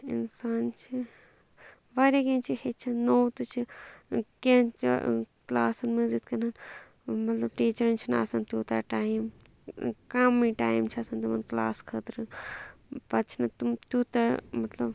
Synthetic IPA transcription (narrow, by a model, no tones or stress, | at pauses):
ḭnsaːnt͡ʃʰi | ʋaːɾjakẽnt͡ʃʰihet͡ʃʰinowt̪ɨt͡ʃʰi | kẽnt͡ʃiklaːsɐnmɐzid̪kɐnɐn | mɐt̪lɐbʈiːt͡ʃɐɾnt͡ʃʰina̰ːsɐnt̪uːt̪a̰ːʈaːim | kɐmːiːʈaːjimt͡ʃʰiɐsɐnt̪ɐmɐnkla̰ːskʰəːt̪ɾɨ | pɐt͡ʃʰinɐt̪umt̪juːt̪ɐɾmɐt̪lɐb